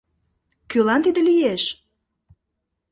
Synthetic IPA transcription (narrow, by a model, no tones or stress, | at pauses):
kølɑnt̪id̪ĕlijeʃ